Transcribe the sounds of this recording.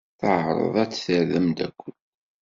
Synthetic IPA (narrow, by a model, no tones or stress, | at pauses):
θəʕɾˤə̰ðˤæt͡sːθəɾðəmd̪ækʷːən